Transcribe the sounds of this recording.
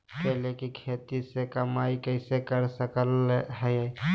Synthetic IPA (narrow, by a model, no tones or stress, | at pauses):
pɛɦlekikʰeːt̪isekəmaːikəɪsekəɾsəkəlɦɛj